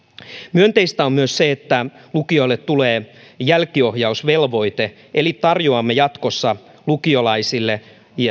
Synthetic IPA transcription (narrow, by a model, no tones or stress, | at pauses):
myønt̪eist̪æommyøsseet̪ːæ | lukioilːet̪t̪uleː | jælkio̞hjɑusʋelʋo̞it̪e | ʔelitt̪ɑrjoɑmːejɑt̪kosːɑ | lukiolɑisilːe